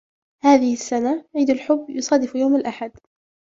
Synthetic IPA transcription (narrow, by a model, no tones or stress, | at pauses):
haːðɪhɪsːanaʕiːd̪alħʊbːjʊsˤɑːd̪ɪfjawmalʔaħad̪